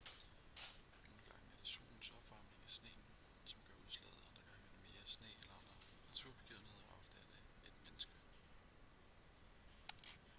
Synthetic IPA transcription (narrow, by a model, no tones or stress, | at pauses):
no̝ːlɡ̥ɑ̈ŋəæɐd̥eso̝̰ːln̩sɒ̽b̥fɑ̈mle̝ŋæsne̝̰ːn̩ | sɒ̽mɡ̥ɶɐuðˠslɛ̰ð̩ˠɑ̈nd̥ʁɐɡ̥ɑ̈ŋəæɐd̥eme̝ːɐsne̝̰ːelɐɑ̈nd̥ʁɐ | næt͡sʰuɐb̥e̝ɡ̥ið̰ˠnhe̝ðˠɒʔɒ̽fd̥æd̥ | æd̥menəsɡ̥ə